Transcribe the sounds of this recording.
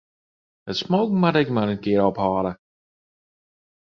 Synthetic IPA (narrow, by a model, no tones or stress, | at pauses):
ətsmoːkŋ̩madɛkmaɾənkɪəɾɔphɔːɾə